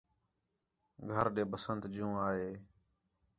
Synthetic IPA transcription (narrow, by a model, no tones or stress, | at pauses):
ɡʱəɾɗeːbəsənt̪d͡ʒũːaːɦeː